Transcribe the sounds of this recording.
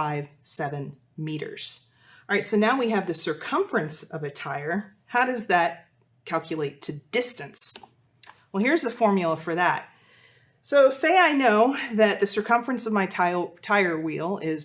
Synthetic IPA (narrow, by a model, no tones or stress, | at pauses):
aɪv̥sɛvɨ̃n | miɾə̰˞z̥ | ɑɹaɪtsoʊnaʊwiɨvðɨsə˞kʰʌ̃ɱfɨ̃nsʌvɨtʰaɪə˞ | haʊɾʌzðɨt̚ | kʰælˠkʰjɨleɪtʰɨd̥ɪstɨ̃ns | wɛlˠhiɹzðɨfɔɹmjl̩ˠəfə˞ðət̚ | soʊseɪaɪnoʊðɨt̪̚ðɨsə˞kʰʌ̃ɱfəɹɨ̃nsʌvmaɪtʰaɪə˞wilˠɪz